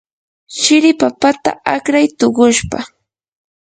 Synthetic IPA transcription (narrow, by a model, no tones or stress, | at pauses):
ʃɪɾɪpapat̪a̰akɾajt̪oɢʊʃpa